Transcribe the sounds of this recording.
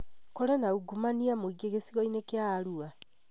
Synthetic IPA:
kɔɾɛnauɡumaniamoiɡeɣesiɣɔinekeaːɾua

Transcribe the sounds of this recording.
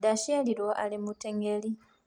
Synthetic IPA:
daʃeliɾwoʔa̰limuteŋɡeli

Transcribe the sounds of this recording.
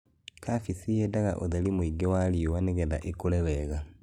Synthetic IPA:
kʰafisijedaɣa̰ʔoðelimwiɡewaliuwaneɡeða̰ʔekuleβeɣa

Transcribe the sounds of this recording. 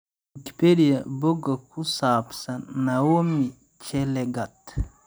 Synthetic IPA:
iki̥peɾijaboɡakusaːpsanawomi | t͡ʃɛlɛɡat̪

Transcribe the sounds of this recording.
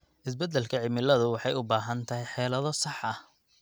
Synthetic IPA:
ʔɪsbɛd̪ːɛlkʰɐʕɪmɪlɐðʊwɑħɑjʊbaːɦɐnt̪ʰɐɦɛjħɛːlɐðɔsɑħʔɐh

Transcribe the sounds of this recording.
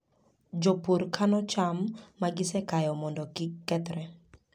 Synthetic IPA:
d͡ʒɔpuɾkʰanɔt͡ʃamːaɡɪsɛkajɔmɔndɔkɪkːɛt̪ɾɛ

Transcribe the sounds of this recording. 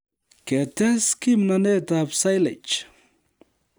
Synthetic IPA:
ket̪eskimnanet̪apsajlḛt͡ʃ

